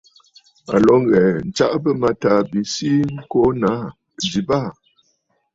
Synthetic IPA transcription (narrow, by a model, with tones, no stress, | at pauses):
a̰˨lɔ˨˦ŋ˦ɣɛ˨n̩˨t͡ʃa˦ʔbə˦ma˨ta˨bi˨˦si˦ŋ̩˦ko˦na˨˦˨ | di˨ba˦˨